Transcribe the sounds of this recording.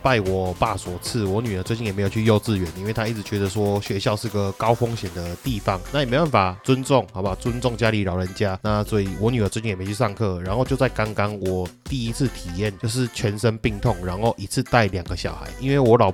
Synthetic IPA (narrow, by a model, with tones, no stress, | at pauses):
pa˥˩ɪwɔ˨˩pa˥˩swɔ˨˩t͡s̩ʰ˥˩wɔ˨˧˦ny˨˩d̪ə˨˦t͡swe˥t͡ɕi˥˩jm˧˥ɪjo˨˩t͡ɕʰy˥˧jo˥˧ʊt͡sɹ̩˥˨ɥɛ˧˦ni˥nwe˥˩ɪt̪ʰa˥i˥˩t͡s̩˨˩t͡ɕɥɛ˧˥d̪ə˨˧swɔ˦˥ɕɥɛ˧˥ɕjɑ˥˧ʊʂɻ̩˥˩˨ɡə˨˩kɑ˥ʊfɔ˦ŋɕjɛ˨˩nd̪ə˨t̪i˥˩fɑ˦ŋna˥˩jme˥wa˥n˩fa˨˩t͡sə˦nt͡sʊ˥˩ŋhba˨˩t͡sə˦nt͡sʊ˥˨˩ŋt͡ɕja˦˥li˧˥ɻɑ˨˩ʊɻə˧˦nt͡ɕja˦˥na˥˩sɔ˧˥i˨˩wɔ˧˦ny˨˩ə˨˩t͡swt͡ɕi˥˨˩y˥˧˩ʂɑ˥˧ŋkʰɤ˥˨ɻa˨˥nxo˥˧t͡ɕjt͡sa˥˩ɪka˥ŋkɑ˦˥ŋwɔ˨˩t̪i˥˩i˦˥t͡s̩ʰ˥˩t̪ʰi˨˩jɛ˥˨nt͡ɕjo˥˧ʊʂ̬ɻ̩˥˩t͡ɕʰɥɛ˧˦˥nʂə˦npi˥˧ŋt̪ʰɔ˥˩ŋɻa˧˥nxo˥˩ʊʔi˨˦t͡s̩ʰ˥˧t̪a˥˩ɪlja˨˩ŋɡə˦ɕjɑ̰˨˩ʊxa̰˧˦ɪʔi˦nwe˥˩ɪwɔ˧˥lɑ˨˩ʊ